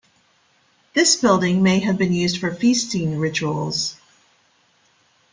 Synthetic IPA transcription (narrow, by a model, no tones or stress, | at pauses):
ðɪsb̥ɪlˠdɪ̃ŋmeɪɨvbɨ̃njʉzd̥fə˞fistĩnɹɪt͡ʃul̩ˠz̥